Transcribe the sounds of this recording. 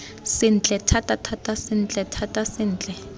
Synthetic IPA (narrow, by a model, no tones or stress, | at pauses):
sɪn̩t͡ɬʼɛtʰatʼatʰatʼasɪn̩t͡ɬʼɛtʰatʼasɪn̩ːt͡ɬʼɛ